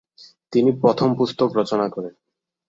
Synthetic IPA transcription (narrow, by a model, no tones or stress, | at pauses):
t̪inipɾɔt̪ʰompust̪okɾɔt͡ɕonakɔɾen